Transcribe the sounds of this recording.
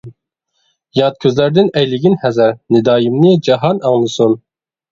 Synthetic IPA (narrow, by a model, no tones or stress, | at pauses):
jɑt̪̚kʲʰøzlæɾd̪ɪnɛjlɪɡʲinhɛzɛɾnɪd̪ɑːjimnɪd͡ʒɑɦɑnɑŋlˠɨsun